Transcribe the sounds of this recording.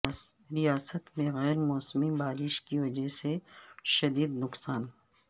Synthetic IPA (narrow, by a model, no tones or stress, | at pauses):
ɾijaːsət̪mẽɣɛːɾmɔːsmiːbaːɾɪʃkiʋɐd͡ʒɐɦseʃɐd̪iːd̪nʊqsaːn